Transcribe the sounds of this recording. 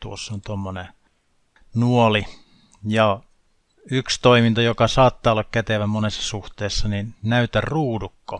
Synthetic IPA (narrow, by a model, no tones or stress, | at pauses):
t̪uosːont̪omːone | nuoli | jɑ | ykst̪oimint̪ɑjokɑsɑːt̪ːɑːolːɑkkæt̪eʋæmonesːɑ̥suht̪eːsːɑninnæyt̪ærruːdukːo